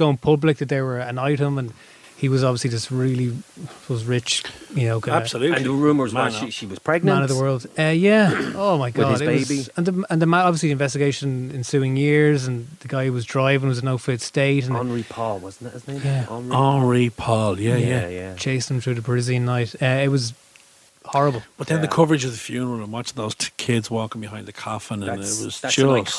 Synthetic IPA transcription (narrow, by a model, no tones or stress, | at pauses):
ɡ̥oʊɪ̃ŋpʰʊblɪk̚ðəðə˞wə˞ə̃naɪɾə̃mə̃n | iwɒzɑbviəslid͡ʒɪstɹɪliɒzɹɪt͡ʃjɨnoʊɡḁsəlʉə̃nəɹũməziʃiwɒz̥pʰɹ̥ɛɡ̚nəm̃ãnəvðəwɜ˞lˠd̥ʌjæoʊmaɪɡɑdɪewɪbiə̃nðəmə̃nðəmãnɒbviəs̬liðiɪ̃ɱvɛstɪɡeɪʃə̃nɪ̃nsʉːɪ̃ŋjɪɹzə̃nðəɡaɪwɒzdɹaɪvɪ̃ŋwʌzənoʊfɪtsteɪtə̃ñnɹipʰɔlˠwʌzn̩ɪtɪznɪjæɑ̃nɹipʰɔlˠjæjæjæt͡ʃʰeɪsðə̃mθɹʉːðəbɹɪziə̃nːaɪtʌɪt̚wɒz | hɔɹəbəlˠb̥ʌt̪̚ðə̃nðəkʰʊvə˞ɪd͡ʒʌvðəfjʉːnə˞əlˠə̃ɪ̃nwɑt͡ʃɪ̃ŋðoʊz̥tʰkʰɪdzwɔːkɪ̃ŋbɪhãɪ̃nd̪ðəkʰɑfə̃nənɪwʌz̥d͡ʒʊ